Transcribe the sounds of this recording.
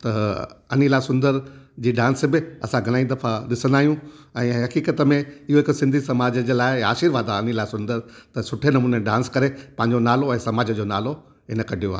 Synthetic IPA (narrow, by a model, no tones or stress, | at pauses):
t̪ɐɐnilasʊ̃nd̪əɾd͡ʑiːɖãːnsbɪɐ̰sãɡʱɐl̃aːĩd̪ɐfaɗɪsə̃nd̪aːɦijũɛ̃ːɦɐkiːkət̪əmẽɪɦoɪksɪ̃nd̪ʱisɐmaːd͡ʑəd͡ʑelaːɪaːʃiːɾʋaːd̪aɐnilaːsʊ̃nd̪əɾt̪ɐsʊʈʰenɐmuːneɖãːnskɐɾepɐ̃ɦɪ̃ɲd͡ʑonaːloɛ̃ːsɐmaːd͡ʑəd͡ʑonaːlo | ɦɪnəkɐɖʱijoaːɦ